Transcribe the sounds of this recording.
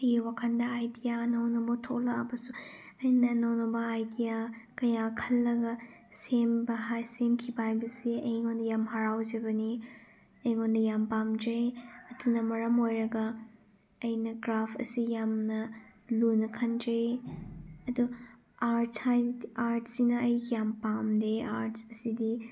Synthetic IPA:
ɐjwakʰɐndɐːjdijanɐwnɐbɐtʰoklɐːbɐsu | ɐjnɐnɐwnɐbɐajdijakɐjakʰɐlːɐɡɐ | sembɐɦajsemkʰibajbɐsiɐjŋondɐjamhaɾawd͡ʒɐbɐni | ɐjŋondɐjambamd͡ʒejɐtunɐmɐɾɐmojɾɐɡɐː | jnɐɡɾapʰɐ̰sijamnɐlunɐkʰɐnd͡ʒej | ɐdu | aɾthajaɾt̚sinɐːjkijampamdeaɾtsɐsidi

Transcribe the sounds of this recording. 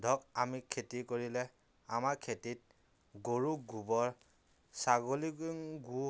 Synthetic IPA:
dʱɔkamikʰetikoɹilɛ | amaɹkʰetit̚ | ɡoɹuɡubɔɹ | saɡoliŋɡu

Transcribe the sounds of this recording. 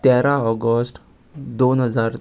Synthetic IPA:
t̪ɛɾaɔɡɔsʈ | d̪onɦəzaɾ

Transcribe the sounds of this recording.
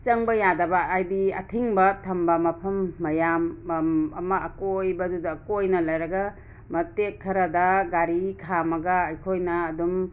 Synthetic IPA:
t͡ʃɐŋbɐjadɐbɐːjdiɐ̰tʰiŋbɐtʰɐmbɐmɐpʰɐmːɐjamɐmɐːkojbɐdudɐːkojnɐlɐjɾɐɡɐ | mɐtekʰːɐɾɐdɐɡaɾikʰamɐɡɐːjkʰojnɐːdum

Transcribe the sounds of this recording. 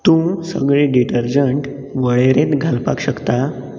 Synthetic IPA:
t̪ũsə̰ɡɭẽɖiʈəɾd͡ʑəɳʈ | ʋəɭeɾẽt̪ɡʱalpa̰kɕəkt̪a

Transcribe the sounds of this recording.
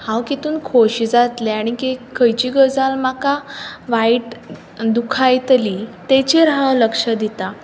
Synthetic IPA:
hãwkit̪uːnkʰoɕid͡zat̪leaɽ̃ikekʰəjt͡ɕiːɡəd͡zalmakaʋaiʈ | d̪ukʰajt̪lit̪et͡ɕiɾɦawləkʂəd̪it̪a

